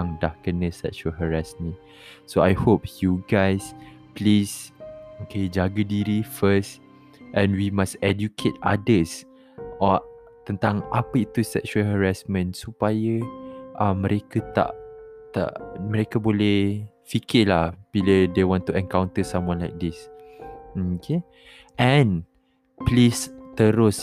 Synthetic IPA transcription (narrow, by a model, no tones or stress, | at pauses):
aŋdahkənə̃sɛ̰kʃuəlɦəɹasmĩ | soajhop̚juɡajs | plisoked͡ʒaɡədiɾifəs | ʔɛ̃nwimasɛdjukʰet̪̚a̰dəs | ɔ | t̪ənt̪aŋapəit̪usɛ̰k̚ʃuəlɦəɹasmə̃nsupajəʔãmːə̃ɾʔekət̪a̰ʔt̪a̰ʔməɾekəbolɛh | fikɪlahbilədewɔ̃nt̪uɛ̃ŋkawnt̪əsãmwɔ̃nlajk̚dis | okʰe | ʔɛ̃n | plist̪əɾʊs